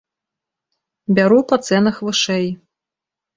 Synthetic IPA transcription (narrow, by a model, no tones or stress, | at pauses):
bʲaɾupɐt̪sɛnɐxvɨʂɛj